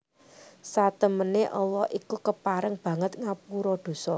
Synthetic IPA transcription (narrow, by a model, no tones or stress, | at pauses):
sat̪əməneʔɔlɔhikukəpaɾɪŋb̥ä̤ŋət̪̚ŋapuɾɔd̪̥o̤sɔ